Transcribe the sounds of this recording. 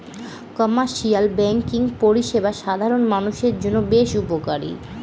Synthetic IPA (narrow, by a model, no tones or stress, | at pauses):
kɔmaɾʃialbɛŋkiŋpoɾiʃebaʃad̪ʱaɾonmanuʃeɾd͡ʑonːobeʃupokaɾḭ